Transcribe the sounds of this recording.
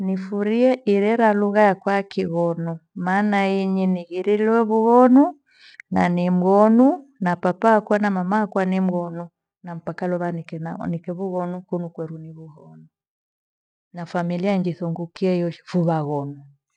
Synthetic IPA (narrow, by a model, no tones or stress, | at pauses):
nifuɾiɛʔiɾɛɾaluɣajakwakiɣɔnumaːnaiɲiniɣiɾilwɛβuɣɔnu | nanim̩ɣɔnunapapaːkuanamamaakwanim̩ɣɔnu | nam̩pakalɔβanikɛnikɛβuɣɔnukunukwɛɾuniβuhɔnu | nafamiliaɲd͡ʒiθuŋɡukiaijɔfuβaɣɔnu